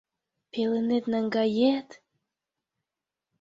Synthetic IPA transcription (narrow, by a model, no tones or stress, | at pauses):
pelenet̪næŋɡɑjet̪